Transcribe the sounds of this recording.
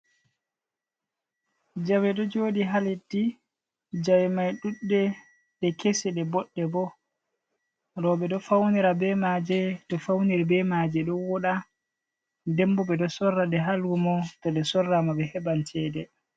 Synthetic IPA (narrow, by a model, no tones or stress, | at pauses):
d͡ʒawɛɗɔd͡ʒoːdiɦalitːi | d͡ʒawɛmajɗuɗːɛ | ɗɛkesɛɗɛbɔɗːɛbɔ | ɾɔɓɛɗɔfawniɾabɛmad͡ʒɛtɔfawniɾbɛmad͡ʒɛɗɔwɔɗa | dɛmbɔbɛɗɔsɔrːaɗɛɦalɡumɔtɔɗɛsɔrːamabɛhɛbantʰɛːdɛ